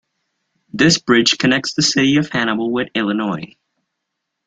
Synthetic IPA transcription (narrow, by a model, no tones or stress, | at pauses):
ðɪsb̥ɹɪd̥ʒ̥kʰɨnɛk̚tsðɨsɪɾiʌv̥hæñəbl̩ˠwɪðɪlˠənɔɪ